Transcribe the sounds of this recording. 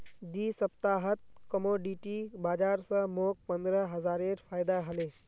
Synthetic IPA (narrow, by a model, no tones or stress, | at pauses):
d̪iːsəpt̪aɦət̪̚kəmoɖiʈibaːd͡ʒaːɾsə̃mok̚pənd̪ɾəɦəzaːɾeɾpʰaːjd̪aɦəle